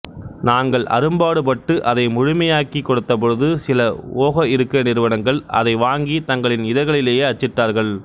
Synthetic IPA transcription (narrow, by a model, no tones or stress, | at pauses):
naːŋɡɐɭʔɐ̰ɾɯmbaːɽɯp̬ɐʈːɯʔɐðɐɪmʊɻʊmɐjaːkikːɔɽɯt̪ːɐp̬ɔɻɯðɯsɪlɐoːɣɐɪɾɯkːɯɐnɪɾɯʋɐnɐŋɡɐɭɐ̰ðɐɪʋaːŋɡit̪ɐŋɡɐɭɪnɪðɐɪɣɐɭɪleːjeɐt͡ʃːɪʈːaːɾɣɐɭ